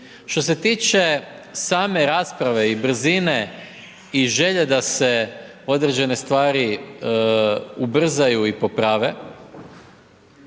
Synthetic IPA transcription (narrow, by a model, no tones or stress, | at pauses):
ʃt̪o̞s̬e̞t̪iːt͡ʃe̞saːme̞ɾaːspɾaʋe̞ibr̩zine̞ | iʒe̞ʎed̪ase̞ | o̞d̪ɾe̞d͡ʑe̞ne̞st̪ʋaːɾi | ubr̩zajuipo̞pɾaːʋe̞